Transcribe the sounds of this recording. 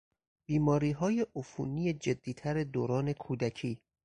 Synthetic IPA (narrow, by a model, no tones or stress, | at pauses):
b̥iːmɒːɾiːɦɒːjeʔofṵːnijed͡ʒe̞d̪ːiːt̪ʰæɾed̪oːɾɒːne̞kʰuːd̪æcʰiː